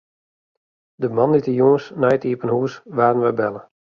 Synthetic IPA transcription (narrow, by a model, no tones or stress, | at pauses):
dəmanditəjoːəsnajətiəpənhuəsʋaːrənʋɛjbɛlˠə